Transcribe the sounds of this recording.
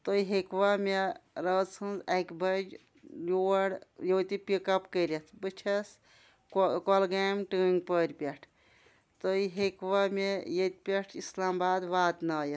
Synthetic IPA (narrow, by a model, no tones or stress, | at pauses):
t̪oiɦekʋameɾəzsʰɨnzekbɐd͡ʒ | juɽjoːt̪ipikɐpkəɾʲet̪ʰbɨt͡ʃʰɐs | kɔlɡamʈɨŋɡpəɾʲpʲeʈʰ | t̪ojɦekʋamʲejet̪̚ʲpʲeʈʰislaːmbaːd̪ʋaːt̪nɐje